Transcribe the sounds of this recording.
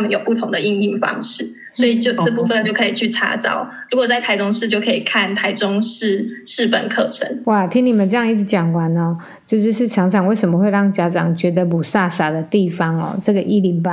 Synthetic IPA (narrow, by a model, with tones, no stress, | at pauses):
a˥mə˨njo˨˩ʊpu˥˩t̪ʰʊ˧˥ŋd̪ə˨˧i˥˧ŋi˥˩ŋfɑ̰˥ŋʂɻ̩˥˩ | swɔ˧˥i˨˩t͡ɕjo˥˧ʊɤ˥˧pu˥˧fə˨nt͡ɕjo˥˩ʊkʰɤ˧˥i˨t͡ɕʰy˥˩ʈ͡ʂʰa̰˥t͡sɑ̰˥˩ʊ | ɻu˧˥kwɔ˨˩t͡sa˥˩ɪt̪ʰa˧˥ɪʊ˥ŋʂɻ̩˥˧t͡ɕjo˥˩ʊkʰɤ˧˥i˨˩kʰa˥˩nt̪ʰa˧˥ɪʈ͡ʂʊ˥ŋʂɻ̩˥˧ʂɻ̩˥˩pə̰˨˩nkʰɤ˥˩ʈ͡ʂʰə̰˧˦nwa˥˩t̪ʰi˧˥ŋni˨˩mə˨nʈ͡ʂɤ˥˧jɑ˥˧ŋi˥˩ʈ͡ʂ̩ʰ˧˦t͡ɕjɑ˨˩ŋkwa˧˦nɔ˨˦ | t͡ɕjo˥˧ʊʂɻ̩˥˧ʂɻ̩˥˩t͡ɕʰjɑ˧˥ŋʈ͡ʂʰɑ˨˩˦ŋwe˥˩ɪʂə˨˩mə˩xwe˥˧ɪɻɑ˥˩ŋt͡ɕja˦˥ʈ͡ʂɑ˨˩ŋt͡ɕɥɛ˧˥d̪ə˨mu˨˩sa˥˩sa˨˩d̪ə˦t̪i˥˩fɑ˦ŋɔ̰˨˩ʈ͡ʂɤ˥˩ɡə˩˨ʔi˥li˧˥ŋpa˨˦